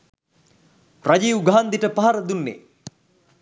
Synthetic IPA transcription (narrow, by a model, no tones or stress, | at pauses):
rad͡ʒiːwɡaɦnd̪iʈəpaɦaɾəd̪unːḛ